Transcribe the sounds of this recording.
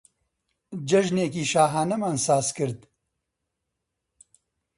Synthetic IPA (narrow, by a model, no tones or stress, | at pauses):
d͡ʒɐʒneːkiːʃaːɦaːnɐmaːnsaːzkɨɾd̪̚